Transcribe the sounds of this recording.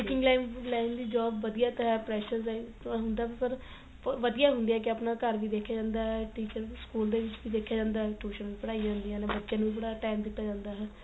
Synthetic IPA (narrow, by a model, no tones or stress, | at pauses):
ɪkɪ̃ŋɡlaːɪmlaɪmd̪iːd͡ʒɔːbʋəd̪ijaːt̪əɦɛːpɾɛːʃəɾsɦʊnd̪aːpəɾ | ʋəd̪ijaːɦʊ̃nd̪iːɦɛːk̬ɪəpnaːkəɾʋiːd̪eːkʰːjaːd͡ʒãːnd̪aːɦɛʈiːt͡ʃəɾskuːld̪eːʋɪt͡ʃʋiːd̪eːkʰjaːd͡ʒãːnd̪aːɦɛʈuːʃə̃npəɽaːid͡ʒãːnd̪ijãːlɛ̃bətːʃãːnũːiːbəɽaːʈaːmd̪ɪt̪ʰːaːd͡ʒãːnd̪aːɦɛː